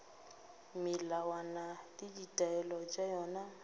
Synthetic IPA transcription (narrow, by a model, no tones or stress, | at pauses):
mɪlawanadiditʼaɛlɔt͡ʃʼajɔːna